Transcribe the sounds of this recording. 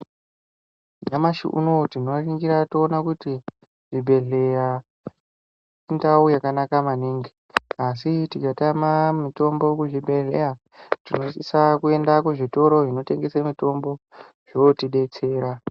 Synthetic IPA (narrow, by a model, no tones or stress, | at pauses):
d͡ʒamaʃḭʔṵno̞tino̞riŋɡiɾatoːnakuti | ʐ̥ibʱe̞ɮe̞ja | indaujakanakamaniŋɡi | asitikatamamito̞mbo̞kuʐibʱe̞ɮe̞ja | tino̞sisakue̞ndakuʐito̞ɾo̞ʐino̞te̞ŋɡe̞samito̞mbo̞ | ʐ̥otiɗe̞t͡se̞ːɾa